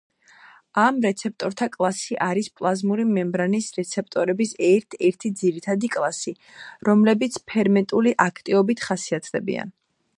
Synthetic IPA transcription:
amɾɛt̪sʰɛp̚t̪ʼɔɾt̪ʰakʼlˠasiʔaɾispʼlˠazmuɾimɛmbɾanisɾɛt̪sʰɛp̚t̪ʼɔɾɛbisɛɾt̪ʰɛɾt̪ʰid̪ziɾit̪ʰad̪ikʼlˠasi | ɾɔmlɛbit̪sʰpʰɛɾmɛt̪ʼuliʔakʰt̪ʼiɔbit̪ʰχasiat̪ʰd̪ɛbḭa̰n

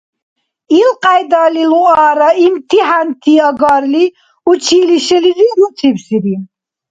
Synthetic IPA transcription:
ilqʼajd̪aliluaːɾaimt̪ʰiɦant̪ʰiaɡaɾli | ut͡ʃʰiːliʃɛliɾiɾut̪ʰipsiɾi

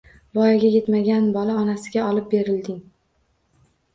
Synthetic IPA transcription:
vɒjaɡʲaje̞t̪maɡʲanbɒlaɒnasɪɡʲaɒlɪp̚be̞ɾɪld̪ɪŋ

